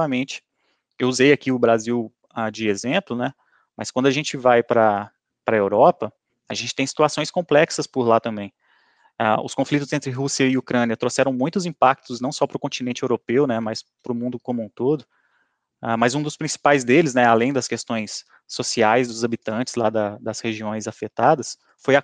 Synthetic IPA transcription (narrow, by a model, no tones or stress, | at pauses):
amẽt͡ʃɪ̥ | ewuzejakiʊbɾaziw | ad͡ʒɪezẽplʊnɛ | mɐskwɐ̃nd̪ʊaʒẽnt͡ʃɪvajpɾɐ | pɾɐewɾɔpɐ | aʒẽnt͡ʃɪ̥t̪ẽj̃si̥t̪uasõj̃skõmplɛksɐspʊɾlat̪ɐ̃mbẽj̃ | aʊ̰skõflit̪ʊzẽnt̪ɾɪɦusiɐiukɾɐ̃niɐt̪ɾosɛɾɐ̃w̃mũj̃t̪ʊzĩpak̚t̪ʊznɐ̃w̃sɔpɾʊkõntt͡ʃinẽnt͡ʃɪewɾopewnɛmɐspɾʊmũnd̪ʊkõmũt̪od̪ʊ | amɐzũd̪ʊspɾĩsi̥pajzd̪elɪznɛalẽj̃d̪ɐskest̪õj̃sː | osiajzd̪ʊzabit̪ɐ̃t͡ʃɪzlad̪ɐd̪ɐsheʒiõj̃zafet̪ad̪ɐs | foja